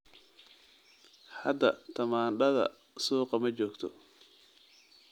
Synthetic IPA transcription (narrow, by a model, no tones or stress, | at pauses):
hɐd̪ɐt̪ʰɐmaːnɖɐðɐ̰ | suːqɑmɐt͡ʃɔːkt̪ʰɔ